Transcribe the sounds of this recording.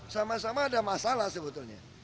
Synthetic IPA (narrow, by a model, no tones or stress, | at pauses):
samasamaːdamasalasəbət̪ʊlɲa̰